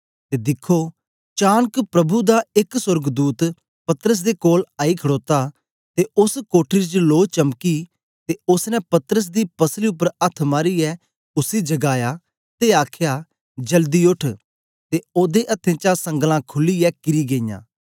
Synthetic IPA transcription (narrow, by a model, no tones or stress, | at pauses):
t̪eːd̪ɪkʰːo | t͡ʃaːnkpɾɐbud̪aɪksʊɾɡd̪uːt̪ | pɐt̪əɾəs̬d̪ekoːlaːikʰɐɽoːt̪a | t̪eʔʊskoːʈʰit͡ʃloːt͡ʃɐmki | t̪eʊsnɛpɐt̪əɾəs̬d̪ipɐsliʊp̬ːəɾɐt̪ʰmaːɾiɛ | ʊsid͡ʒɐɡaːja | t̪eaːkʰja | d͡ʒɐld̪iʊʈʰ | t̪eoːd̪eʔɐt̪ʰẽt͡ʃasɐ̃ŋɡlãkʰʊliɛkɪɾiɡejã̰ː